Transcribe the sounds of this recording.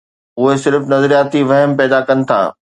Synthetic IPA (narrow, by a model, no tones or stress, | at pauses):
ʊɦesɪɾfnɐzɾijaːt̪iʋɐɦəmpɛːd̪akɐnɪ̆t̪ʰa̰ː